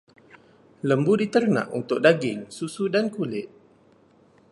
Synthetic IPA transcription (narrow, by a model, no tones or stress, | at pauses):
ləmbudit̪ərnã̰ʔṵnt̪ʊk̚daɡɪŋsusudankulɪt̪̚